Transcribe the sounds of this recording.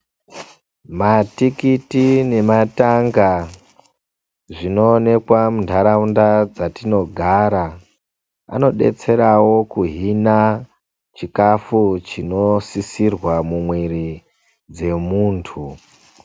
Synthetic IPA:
matikitine̞mataŋɡa | ʐino̞ːne̞kwamundʱaɾaundad͡zatino̞ɡʱaɾa | a̰no̞ɗe̞̰t͡se̞ɾawo̞kuɦina | t͡ʃikafut͡ʃino̞sisirwamumwiɾi | d͡ze̞muːntʰu

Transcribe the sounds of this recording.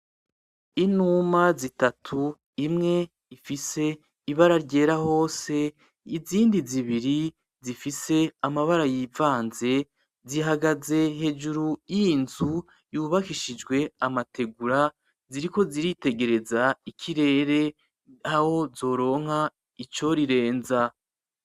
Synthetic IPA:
inumazitatʰu | imŋe̞ | ifise̞ | iβaɾaɾɟe̞ːɾaho̞ːse̞ | iziːndiziβiɾi | zifise̞amaβaɾajivaːnze̞ | ziɦaɡaze̞ɦe̞d͡ʒuɾujinzu | juːβakiʃid͡ʒɡwe̞amate̞ɡuɾa | ziɾiko̞ziɾite̞ɡe̞ɾe̞zaikʰiɾe̞ːɾe̞ | haho̞zo̞ːɾo̞ːŋ̥ha | it͡ʃo̞ɾiɾe̞ːnza

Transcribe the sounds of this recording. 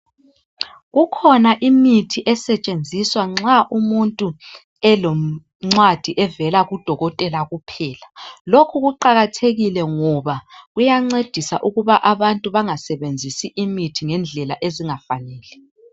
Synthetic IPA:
ɣukʰɔnaʔimitʰiʔɛsɛt͡ʃʼend͡zʱiswaŋ͡ǁaʔumuntʼu | ɛlɔ | ŋ͡ǀwad̥ʱiʔɛvɛlaɣud̥ʱɔɣɔtʼɛlaɣupʰɛːlalokʰuɣuǃaɣatʰeɣilɛŋɔβaɣujaŋ͡ǀed̥ʱisa̰ʔuɣuβaʔaβantʼuβaŋasɛβend͡zʱisiʔimitʰiŋɛnd͡ɮʱɛlaʔeziŋafanɛːlɛ

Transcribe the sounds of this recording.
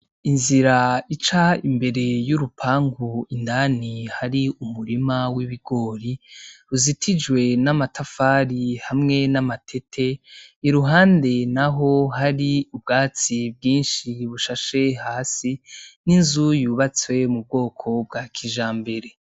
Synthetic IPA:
inziɾait͡ʃaimbe̞ɾe̞juɾupʰaːŋɡuindanihaɾiumuɾimawiβiɡ̥o̞ɾiɾuzitʰid͡ʒwe̞namatʰafaːɾihamŋe̞namatʰe̞tʰe̞iɾuɦaːnde̞naɦo̞ɦaɾiub̚ɡaːt͡sib̚ɡiːnʃiβuʃaʃe̞haːsininzujuːβat͡swe̞mub̚ɡo̞ːkʰo̞b̚ɡaːkʰiʒaːmbe̞ɾe̞

